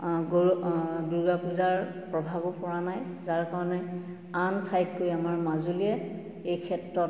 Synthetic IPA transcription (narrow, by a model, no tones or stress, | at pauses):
ɡ | duɹɡapuzaɹ | pɹɔbʱabɔpɔɹanajzaɹkaɹɔnɛ | antʰajkkojamaɹmazuliɛ | ejkʰɛtɹɔt